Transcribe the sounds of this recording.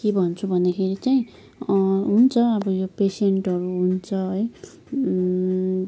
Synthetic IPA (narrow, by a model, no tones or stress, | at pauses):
kebʱʌnt͡sʰubʱʌnːakʰeɾit͡saĩ | ɦunt͡sʰʌʌbʌjopeseɳʈɦʌɾuɦunt͡sʰʌɦʌj